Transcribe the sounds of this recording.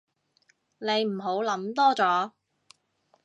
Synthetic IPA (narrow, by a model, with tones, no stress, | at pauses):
ne˨˧jm̩˨˩ɦo˨˥wlɐ˨˥mt̪ɔː˥t͡sɔː˨˥